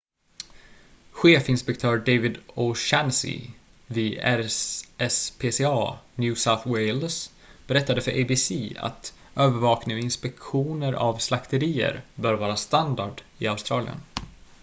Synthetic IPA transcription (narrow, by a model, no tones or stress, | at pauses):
ɧeːfɪnspɛkt̪ʰœːɾɖevɪd̪ɔʃɛnsɪ̰ | viæɛspʰeːseɑːnjʉːsaʊθwɛɪls | b̥ɛɾɛt̪ːad̪əfœɾʔeɪbɪsiːa̰t̪ | øːvəɾvɑːknɪɔɪnspɛkɧuːnəɾʔa̰vslakt̪əɾiːə̰ɾbœːɾvɑːɾast̪and̪aɖ | ɪaʊst̪ɾɑːlɪ̰ə̰n